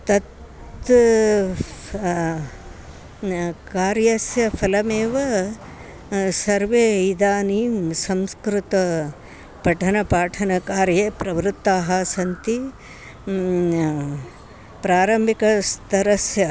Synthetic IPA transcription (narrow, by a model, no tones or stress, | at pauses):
t̪ɐt̪ | kaːɾjɐsjɐpʰɐlɐmeːʋɐ | sɐɾʋeːid̪aːnisɐmskɾut̪ɐ | pɐʈʰɐnɐpaːʈʰɐnɐkaːɾjeːpɾɐʋɾut̪ːaːɦɐsɐnt̪i | pɾaːɾɐmbʱikɐst̪ɐɾɐsjɐ